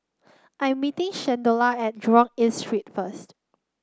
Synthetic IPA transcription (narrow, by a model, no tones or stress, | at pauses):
ʔãj̃mːitɪ̃ŋʃɛ̃ndolaɛt̚dɹɔ̃ŋĩnstɹit̚fəst